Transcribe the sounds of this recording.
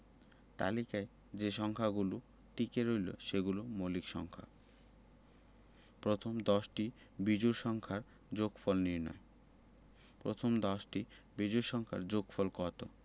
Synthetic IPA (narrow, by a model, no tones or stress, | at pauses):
t̪a̰likae | d͡ʑeʃɔŋkʰaɡulu | ʈikeɾojlo̰ʃeɡulomolikʃɔ̰ŋkʰa̰ | pɾot̪ʰomd̪ɔʃʈi | bid͡ʑuɾʃɔŋkʰaɾ | d͡ʑoɡfɔlniɾnɔ̰e | pɾot̪ʰomd̪ɔʃʈi | bid͡ʑuɾʃɔŋkʰa̰ɾd͡ʑoɡfɔlkɔt̪o̰